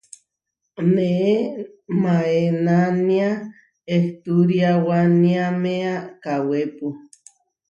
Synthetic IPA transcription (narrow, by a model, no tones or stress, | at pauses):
nee | maenania | eht̪uɾijawaniameakawepu